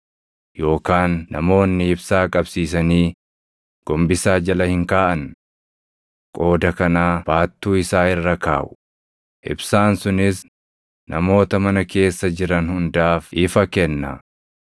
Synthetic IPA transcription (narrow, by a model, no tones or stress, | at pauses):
jo̞ːkaːnːɐ̰mo̞ːnːɪɪbsaːkʼɐbsiːsɐniː | ɡ̥ɔmbɪsaːd͡ʒɐlɐhɪŋkaːʔɐn | kʼo̞ːd̪ɐkɐnaːb̥aːt̪ːuːɪsaːɪrːɐka̰ːʔʊ̥ | ʔɪ̰bsaːnsʊnɪs | nʔɐ̰mo̞ːt̪ɐmɐnɐke̞ːsːɐd͡ʒɪɾɐnhʊnd̪aːfʔɪfɐkɛnːɐ̰